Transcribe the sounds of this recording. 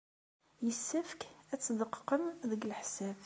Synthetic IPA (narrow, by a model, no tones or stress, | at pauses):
jəsːæfkæt͡sːd̪əqːqːəmðəɡəlħsæf